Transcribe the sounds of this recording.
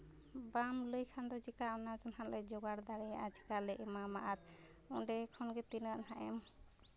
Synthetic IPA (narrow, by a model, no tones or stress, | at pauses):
bamləjkʰand̪ɔd͡ʒikaɔnad͡ʒɔnhaʔlɛd͡ʒɔɡaɽd̪aɽɛad͡ʒi̥kalɛʔɛmamaʔaɾ | ɔɖɛkʰɔnɡɛt̪inɾaʔɦaʔɛ̰m